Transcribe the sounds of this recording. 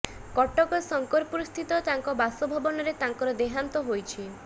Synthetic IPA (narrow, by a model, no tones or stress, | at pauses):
kɔʈɔkɔsɔŋkɔɾpuɾust̪ʰit̪ɔt̪aŋkɔbasɔbʱɔbɔnɔɾet̪aŋkɔɾɔd̪eɦant̪ɔɦojt͡ʃʰi